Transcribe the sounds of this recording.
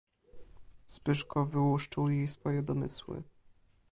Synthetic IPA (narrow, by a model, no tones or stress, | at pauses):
spɘʂkɔvɘwuʂt͡ʂɘwjejsfɔjɛd̪ɔmɘ̰swɘ̰